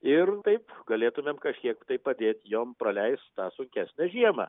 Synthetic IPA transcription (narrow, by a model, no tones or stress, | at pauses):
ɪrt̪ɐɪpɡɐlʲeːt̪ʊmʲemkɐʃʲkʲiɛkt̪ɐɪppɐd̪ʲeːt̪ʲjoːmpɾɐlʲɛɪst̪t̪ɑːsʊŋʲkʲæːsʲnʲæʒʲiɛmɑ̰ː